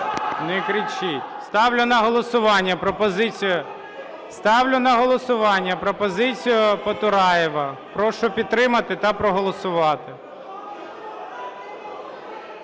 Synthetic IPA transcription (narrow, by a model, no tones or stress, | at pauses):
nɛkɾʲit͡ʃɪtʲst̪ɑwlʲʊnɐɦɔlˠɔsʊʋɑnʲːɐpɾɔpɔzɪt͡sʲijʊ | st̪ɑwlʲʊnɐɦɔlˠɔsʊʋɑnʲːɐpɾɔpɔzɪt͡sʲijʊpɐt̪ʊɾɑjɛʋɐpɾɔʃʊpʲid̪̚t̪ːɾɪmɐt̪ɪt̪ɐpɾɔɦɔlˠɔsʊʋɑt̪ɪ